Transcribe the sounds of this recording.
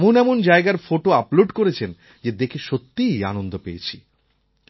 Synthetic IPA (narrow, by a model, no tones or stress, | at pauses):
monɛmond͡ʑaeɡaɾfoʈoaploɖkoɾet͡ɕʰen | d͡ʑed̪ekʰeʃot̪ːija̰nond̪ʱopejet͡ɕʰi